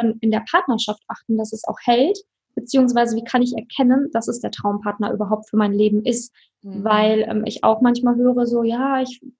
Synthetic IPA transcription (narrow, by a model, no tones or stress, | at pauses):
ɛmɪndeːɐpʰaɐtnɐʃaftʔaχtn̩d̥asɛsa̰ʊxhɛlt | b̥ət͡siːʊŋs̬v̥aɪzəviːkʰanɪçɛɐkʰɛnənd̥asɛsd̥eːɐtʁ̥aʊmpʰaɐtnɐʔyːbɐɦaʊp̚tfyːɐmaɪnleːbm̩ʔɪst | vaɪlʔɛ̰mʔɪ̰ça̰ʊxmançmaːlɦøːʁəzoːjaːɪç